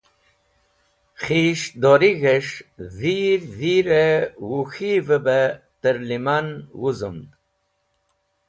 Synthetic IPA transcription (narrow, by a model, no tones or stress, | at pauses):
χiʃd̪oɾiɣeʂziɾziɾewuxivəbət̪əɾlimanwuzṵmd̪